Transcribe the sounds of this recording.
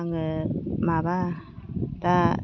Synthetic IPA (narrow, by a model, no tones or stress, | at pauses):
ŋəmaba | t̪a